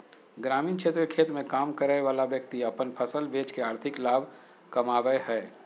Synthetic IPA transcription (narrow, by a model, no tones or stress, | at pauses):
ɡɾaːmiːnkʰeːt̪ɾəkʰeːt̪mẽkaːmkəɾaʋaːlaʋjək̚t̪iɐpənpʰəsəlbeːt͡ʃkeaːɾt̪ʰɪklaːbʱ | kɐmaːʋəehɛː